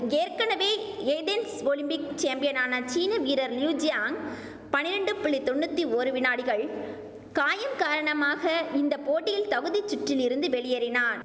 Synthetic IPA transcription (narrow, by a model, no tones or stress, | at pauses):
eːɾkɐnɐʋeːed̪ɛnsʋoːlɪmpɪk̚t͡ʃeːmpɪjɐnaːnɐt͡ʃiːnɐʋiːɾɐɾljuːd͡ʒɪjaːŋ | pɐnːɪɾɐɳɖɯpʊɭːɪt̪ɔɳːɯt̪ːioːɾɯʋɪnaːɽɪɣɐɭ | kaːjɐmkaːɾɐɳɐmaːɣɐɪnd̪ɐpoːʈːɪjɪlt̪ɐɣɯðit͡ʃːʊʈrɪlɪɾɯnd̪ɯʋɛɭɪjɐɾɪnaːn